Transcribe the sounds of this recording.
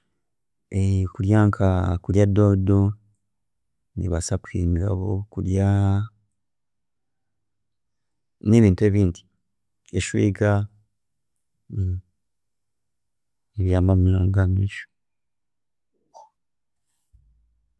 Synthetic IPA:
ekuɾjaːŋkʰakuɾjadodo | nḭβasakwimiɾa̰βo̞kuɾja | ne̞ːβiːntue̞ːβiːndi̥ | eʃwḭːɡa | eβjaːmamilaːŋɡamiʃo̥

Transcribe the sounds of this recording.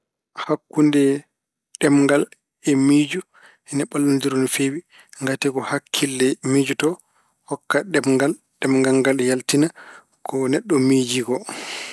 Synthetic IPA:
hakːundɛ | ɗɛmŋɡal | ɛmid͡ʒu | hɛnaɓalːundiɾonifewi | ŋɡatɛkɔhakʰːilːɛmid͡ʒutɔ | hɔkːaɗɛmŋɡal | ɗɛmŋɡaŋɡalɛjaltina | kʰɔnɛɗːɔmid͡ʒiɡɔ

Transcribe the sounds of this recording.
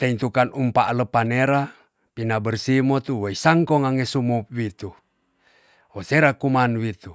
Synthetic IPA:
t̪ent̪ukanumpaʔaləpaneɾa | pinabərsimot̪uwoisaŋkɔŋaŋesumup̚wit̪u | woseɾakumanwit̪u

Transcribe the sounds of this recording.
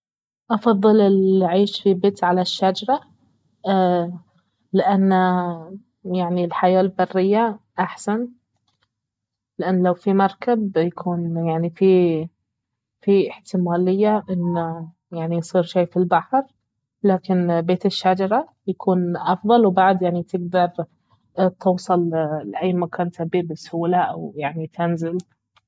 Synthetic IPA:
ʔɑfɑðˤːɨlɪlʕiːʃfibeːt̪ʕalaʃːad͡ʒɑɾˤɑ | lɪʔanː | jaʕnilħajaːlbɑrːɪjːaʔaħsan | lɪʔanːlawfimɑɾˤkabjakʰuːnjaʕnifi | fiʔɪħt̪ɪmaːlɪjːaʔɪnː | jaʕnijsˤiːɾʃaːjfilbaħɾ | laːkɪnbeːt̪ɪʃːad͡ʒɑɾˤɑ | jakʰuːnʔɑfðˤɑlwbaʕd̪jaʕnit̪ɪɡ̚d̪ɑɾˤ | t̪ɨwːsˤɑllɪʔajːmakaːnt̪abiːbɪshuːlaʔawjaʕnit̪ɪnzɪl

